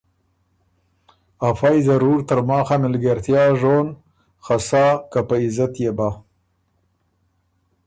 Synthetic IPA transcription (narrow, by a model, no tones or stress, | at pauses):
afɑjzaɾuɾt̪əɾmɑːxamɪlɡaɾt̪jɑːʒon | xasɑːkapəɪzat̪jeba